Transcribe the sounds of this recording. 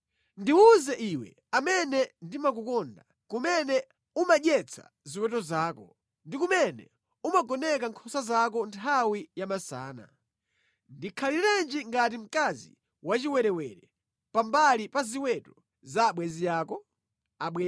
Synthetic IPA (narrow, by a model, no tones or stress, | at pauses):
ndiuzɛʔiwɛ̰ | amɛnɛndimak̬ukɔnda | kumɛnɛ | umaɗjɛt͡sʰa̰ | ziwɛtɔzaːkɔ | ndikumɛnɛ̰ | umaɡɔnɛkaŋkʰɔsazak̬ɔntʰawijamasa̰ːna̰ | ndikʰaliɾand͡ʒiŋɡatim̩kazḭ | wat͡ʃiwɛɾɛwɛɾɛ | pambalipaziwɛtɔ | zaɓwɛzijaːkɔ | aɓwɛ